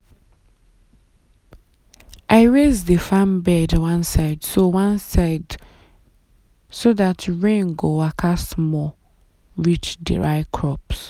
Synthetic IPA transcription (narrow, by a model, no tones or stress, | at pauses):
ʔaɪɹezdəfãmbɛdwãnsaɪdsowãnsaɪd | soðatɹẽnɡowakʰasmɔ | ɹit͡ʃdḭɹaɪkʰɹɔps